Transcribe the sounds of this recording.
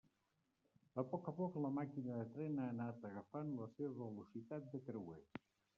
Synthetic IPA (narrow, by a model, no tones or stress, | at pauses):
əpɔkəpɔkləmakinəðət̪ɾɛnaənat̪əɣəfanləseβəβəlusit̪at̪̚d̪ək̪ɾəwe